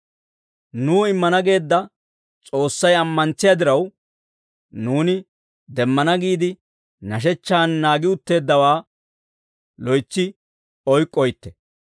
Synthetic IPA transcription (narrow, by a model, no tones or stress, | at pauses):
nuːɪmːɐnɐɡe̞ːd̪ːɐ | t͡sʼo̞ːsːɐjɐmːɐnt͡sːɪjɐd̪ɪɾɐw | nuːnɪ | d̪ɛmːɐnɐɡiːd̪ɪ | nɐʃ̬ɛt͡ʃːaːnːaːɡɪʊt̪ːe̞ːd̪ːɐwaː | lɔjt͡sːɪ | ɔjkʼːɔjt̪ːɛ̥